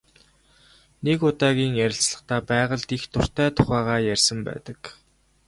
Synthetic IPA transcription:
nekʊt̪aːɣʲiːŋjæɾʲɪ̆ɬt͡sɮə̆χt̪æːpæːʁə̆ɮt̪ixt̪ʰʊr̥t̪ʰæːt̪ʰʊχæːʁaːjærʲsə̆mpæ̰ːt̪ə̆k

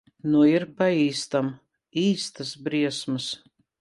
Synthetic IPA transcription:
nuiɾpaiːst̪am | iːst̪ɐsbɾiɛsmɨs

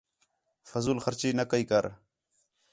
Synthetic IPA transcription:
fɐzulxɐɾt͡ɕinɐkəikɐɾ

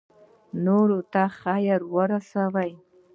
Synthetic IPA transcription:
noɾot̪aχajəɾwəɾasawaj

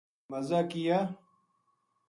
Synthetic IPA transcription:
mɐzakija

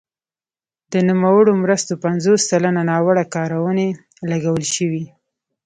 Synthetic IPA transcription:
d̪̥ənumawəɽomɾəst̪opanzosːalananɑwaɽakɑɾawəne | laɡawəlʃəwi

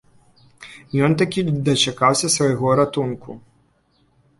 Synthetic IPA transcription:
jɔnt̪akʲid̪ɐt͡ʃakawsʲɐsvɐjɣɔɾat̪unkʰu

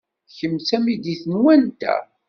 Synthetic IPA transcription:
çəmsæmid̪iθənwænt̪æ̰

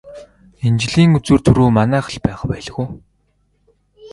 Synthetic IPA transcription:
ent͡ɕɮiːŋut͡sŭrt̪ʰɵɾuːmanæːχə̆ɮpæːχpæːɮ̆ɣuː

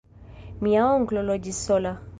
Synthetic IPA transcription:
miaɔŋ̩klɔlɔd͡ʒisɔla

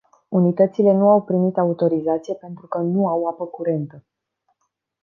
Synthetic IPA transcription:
unit̪ət̪sile̞nuawpɾimit̪aut̪o̞ɾizat̪sijepe̞nt̪ɾukənuawapəkuɾe̞nt̪ə

